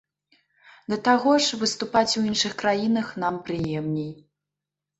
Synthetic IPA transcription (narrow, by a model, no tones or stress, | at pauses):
d̪ɐt̪aɣɔʂvɨst̪upat͡sʲwinʂɨxkɾajinɐxnampɾɨjɛmnʲɛj